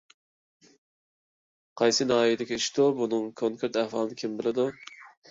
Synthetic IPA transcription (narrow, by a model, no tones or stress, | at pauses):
qʰɑjsɨnɑːijid̪ɪkʲiiʃd̪ubunɨŋkʰoŋkʰeɾt̪æhfɑlˠɨnɪkʲʰimbɪlɪd̪u